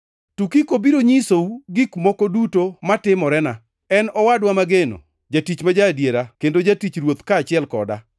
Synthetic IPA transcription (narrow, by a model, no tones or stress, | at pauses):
tukikobiɾoɲisouɡɪkmokodutomatɪmɔɾɛna | ɛnɔwadwamaɡeno̰ | d͡ʒatit͡ʃmad͡ʒadjeɾakendod͡ʒatit͡ʃɾwot̪kaːt͡ʃɪɛlkɔ̰da̰